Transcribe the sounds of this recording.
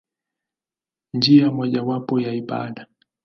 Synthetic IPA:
nd͡ʒiamwɔʄawapɔjaipa̰ːɗa

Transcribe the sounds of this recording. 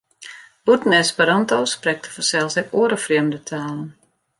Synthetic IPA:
b̥utnɛspəɾɔntoːsprɛk̚tʰə̥fɔsɛlˠsəuəɾəfriəmdətʰaːlˠən

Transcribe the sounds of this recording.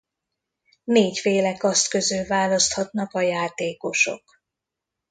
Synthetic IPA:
neːcfeːlɛkɒst̪køzøːvaːlɒst̪hɒt̪nɒkɒjaːt̪eːko̞ʃo̞̰k

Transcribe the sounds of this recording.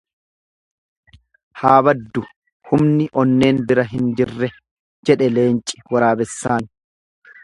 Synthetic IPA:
haːbɐd̪ːʊ | hʊmnɪʔɔnːe̞ːnbɪɾɐɦɪnd͡ʒɪrːɛ | d͡ʒɛᶑɛle̞ːnt͡ʃʼːɪ̥wɐɾaːbɛsːaːn

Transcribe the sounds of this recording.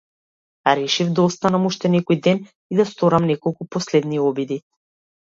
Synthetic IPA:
aɾɛʃivd̪aɔst̪anamuʃt̪ɛnɛkɔjd̪ɛn | id̪ast̪ɔɾamnɛkɔlˠkupɔslɛd̪niɔbid̪i

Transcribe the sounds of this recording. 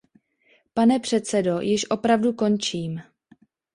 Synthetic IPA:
panɛpr̝̥ɛt̪t͡sɛdo̞jɪʃʔo̞pɾavduko̞nt͡ʃiːm

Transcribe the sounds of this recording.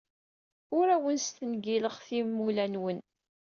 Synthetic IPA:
ʊɾæwənst̪ənɡiləʁθimːulænwən

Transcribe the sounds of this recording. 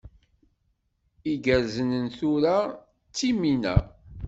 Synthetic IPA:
iɡəɾzənənθuɾa | t͡sːiminæ̰

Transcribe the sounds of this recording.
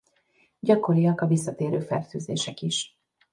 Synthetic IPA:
ɟɒko̞ɾijɒkɒvisːɒt̪eːɾø̰ːfɛ̰rt̪yːzḛːʃɛkiʃ

